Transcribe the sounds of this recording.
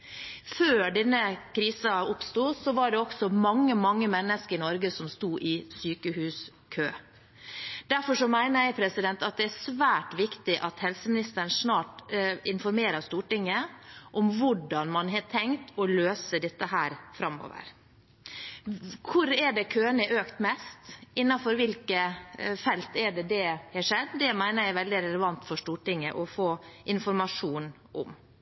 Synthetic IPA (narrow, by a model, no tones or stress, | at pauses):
føːɖɛnːəkʰɾiːsɑʊpst̪uːsɔʋɑɖɛɔksɔmɑŋːəmɑŋːəmɛnːəskəɾɪnɔɾɡəsɔmst̪uːʔɪsyːkəhʉːs | kʰøː | d̪̥æɾfɔʂɔmæɪnəjæɪpʰɾɛsɪd̪ɛnt̪ɑt̪̚d̪ɛæsʋæːʈʋɪkt̪ɪʔɑt̪hɛlsəmɪnɪst̪əɾɳ̩ʂnɑːʈɪnfɔɾmeːɾɑst̪uːʈɪŋːəʔɔmʋʊɖɑnmɑnɦɑʈʰɛŋt̪ɔløːsəd̪ɛt̪ːəɦæːɾfɾɑmo̰ːʋə̰ɾ | kʰʊɾɛɖɛkʰøːnəʔøːkt̪mɛst̪ɪnːɑfɔɾʋɪlkəfɛlt̪ɛɖɛd̪ɛhɛʂɛd̪d̪ɛmæɪnəɾjæɪʋɛld̪ɪɾɛləʋɑnt̪fɔʂt̪uːʈɪŋːəʔɔfoːʔɪnfɔɾmɑʂuːn | ʔɔ̰m